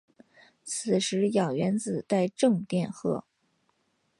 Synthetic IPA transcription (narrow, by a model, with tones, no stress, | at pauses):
t͡s̩ʰ˨˩ʂɻ̩˧˥jɑ˨˩ʊɥɛ˧˥nt͡sɹ̩˨˩t̪a˥˧ɪʈ͡ʂɤ˥˧ŋt̪jɛ˥˧nxɤ̰˥˩